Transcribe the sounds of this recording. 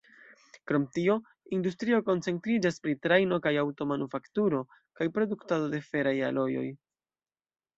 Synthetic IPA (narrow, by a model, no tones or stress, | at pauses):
kɾo̞mtio̞ | industɾio̞ko̞nt͡se̞ntɾid͡ʒaspɾitɾajno̞kajawto̞manufaktuɾo̞ | kajpɾo̞duktado̞de̞fe̞ɾaja̰lo̞jo̞̰j